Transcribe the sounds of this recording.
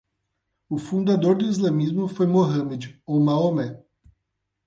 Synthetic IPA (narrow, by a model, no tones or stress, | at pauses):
ʊfũnd̪ad̪oɾd̪ʊizlɐ̃mizmʊfojmoɦɐ̃med͡ʒɪowmaomɛ